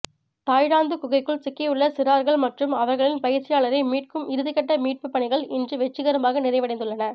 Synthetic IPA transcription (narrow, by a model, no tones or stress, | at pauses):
t̪aːjɽaːnd̪ɯkʊɣɐkːɯɭsɪkːɐjɯɭːɐsɪɾaːɾɣɐɭmɐʈrɯmɐʋɐɾɣɐɭɪnpɐjɪɾt͡ʃɪjaːɭɐɾɐɪmiːʈ̚kɯmɪɾɯðɪkɐʈːɐmiːʈ̚pɯpːɐɳɪɣɐɭɪndrɯʋɛt͡ʃːɯɣɐɾɐmaːɣɐnɪɾɐɪʋɐɽɐɪnd̪ɯɭːɐnɐ